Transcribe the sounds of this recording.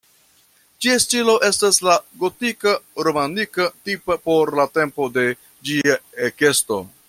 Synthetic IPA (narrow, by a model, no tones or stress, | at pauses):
d͡ʒiastilo̞ʔe̞staslaɡo̞tikaɾomanikatipapo̞ɾlate̞mpo̞de̞ | d͡ʒiaeke̞sto̞̰